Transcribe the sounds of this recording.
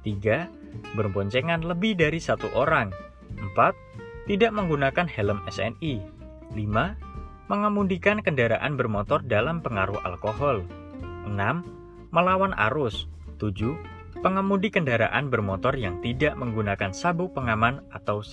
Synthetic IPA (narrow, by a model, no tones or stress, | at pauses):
t̪iɡa | bərbɔɲt͡ʃeŋanləbɪhdaɾisat̪uʔoɾaŋ | ʔəmpat̪ːidaʔməŋɡunakanhɛləmɛ̰sɛ̰ni | lima | məŋamudikankəndaɾaʔanbərmot̪ɔrdalampəŋaɾuhʔa̰lkoɦɔl | ʔənamː | əlawanʔa̰ɾʊs | t̪ud͡ʒu | pəŋamudikəndaɾa̰ʔanbərmot̪ɔrjaŋt̪idaʔməŋɡunakansabʊpəŋamanat̪aws